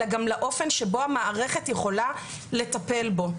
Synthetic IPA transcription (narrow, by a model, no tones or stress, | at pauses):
aɡamlaʔo̞fe̞nʃebo̞hamaːʁeχe̞t̪jeχo̞la | le̞t̪ape̞lbo̞